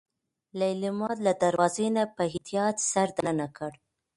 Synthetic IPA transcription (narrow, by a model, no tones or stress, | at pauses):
laɪlɪmɑd̪lad̪aɾwɑzenapəɦɪt̪ijɑt̪saɾd̪anənakəɽ